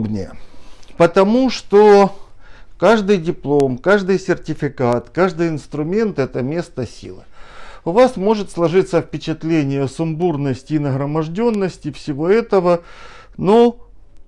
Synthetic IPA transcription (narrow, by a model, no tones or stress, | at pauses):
bnʲɪjə̰pət̪ɐmuʂt̪o | kaʐd̪ɨjdʲɪplˠomkaʐd̪ɨjsʲɪrtʲɪfʲɪkat̪kaʐd̪ɨjɪnst̪ɾʊmʲe̞nt̪ɛt̪əmʲe̞st̪əsʲḭlˠɨ̰ʊvasmo̞ʐɨt̪slˠɐʐɨt̪səfpʲɪt͡ɕɪt̪lʲenʲɪjəsʊmburnəsʲtʲɪːnəɣɾəmɐʐdʲo̞nːəsʲtʲɪfsʲɪvo̞ɛt̪əvəno